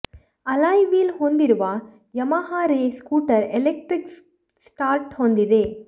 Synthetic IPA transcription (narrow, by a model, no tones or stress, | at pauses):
ɐlaːjʋiːlhoːnd̪ɪɾɯʋaː | jɐmaːɦaːɾeskuːʈːɐɾɛlɛk̚ʈɾɪk | sʈaːɾʈhoːnd̪ɪðeː